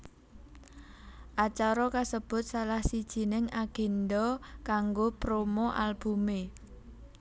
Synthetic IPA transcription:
ʔat͡ʃaɾɔkasəb̥ʊ̤t̪̚salahsid̥ʒ̥i̤nɪŋaɡ̥e̤nɖɔkaŋɡopɾomɔʔalb̥ṳme

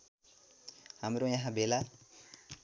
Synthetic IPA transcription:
hamɾojaɦãbela

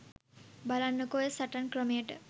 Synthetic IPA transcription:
balanːəkojəsaʈankɾəmejəʈə

